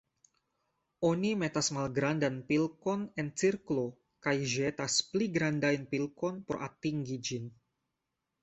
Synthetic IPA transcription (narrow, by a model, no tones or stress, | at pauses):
ʔonimet̪asmalɡɾandanpilkɔnɛnt͡sirklo | kajʒet̪aspliɡɾandajnpilkɔnpɔɾʔa̰t̪iŋɡid͡ʒin